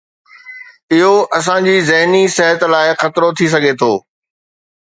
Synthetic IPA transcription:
ɪɦoʔɐs̬ãd͡ʑiːzɐɦnisɛɦət̪laːɪxɐt̪ɾot̪ʰis̬ɐɡʱet̪ʰoː

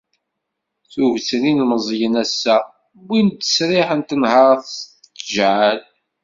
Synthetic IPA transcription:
θuvt͡sninməzˤjənæsːæ | wint̪ːə̥sɾɪħənt̪ənhɑɾˤθs | ʒʕal

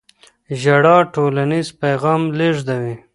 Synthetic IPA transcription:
ʒaɽɑʈolanizpajɣɑːmleʐd̪awi

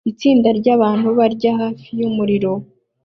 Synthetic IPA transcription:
it͡siːndaɾɟaːβaːn̥huβaɾɟaɦaːfijumuɾiɾo̞

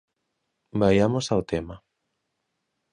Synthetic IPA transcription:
bajamosawt̪ema

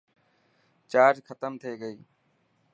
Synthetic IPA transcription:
t͡ʃaːd͡ʒkʰət̪əmt̪ʰeːɡəiː

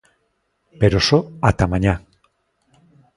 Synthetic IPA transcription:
peɾosoat̪amaɲa

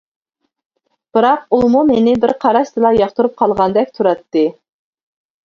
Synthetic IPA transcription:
b̥ɨɾɑqulˠmumenɪbɪɾqʰɑɾɑst̪ɨlˠɑjɑχt̪uɾup̚qʰɑlˠʁɑnd̪ɛk̚ʲt̪ʰuɾɑt̪ːɨ

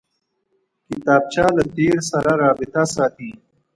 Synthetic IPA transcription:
kit̪aːb̚t͡ɕaːlɐt̪eːɾsɐɾaɾaːbit̪asaːt̪ʰĩː

